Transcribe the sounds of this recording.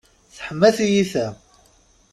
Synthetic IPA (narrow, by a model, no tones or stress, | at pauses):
θħəmːæθijiθæ